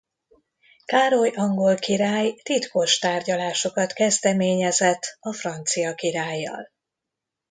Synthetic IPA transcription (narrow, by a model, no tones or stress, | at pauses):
kaːɾojɒŋɡo̞lkiɾaːjt̪it̪ko̞ʃt̪aːrɟɒlaːʃo̞kɒt̪kɛzd̪ɛmeːɲɛzɛt̪ːɒfrɒnt̪sijɒkiɾaːjːɒ̰l